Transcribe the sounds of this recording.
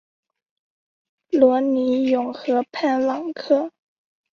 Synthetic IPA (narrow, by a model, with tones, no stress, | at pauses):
lwɔ˧˥ni˧˥jʊ˨˩ŋxɤ˧˥pʰa˥˩nwɑ˨˩ŋkʰɤ˥˩